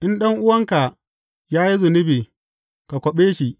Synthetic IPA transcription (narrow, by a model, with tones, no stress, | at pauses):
ʔɪ˦nɗɐ˦ŋʔʊ˦wɐ˦ŋka˨ | jaː˦ji˦zʊ˨nɪ˦biː˨ | ka˨kʷɔ˨ɓeː˦ʃi˨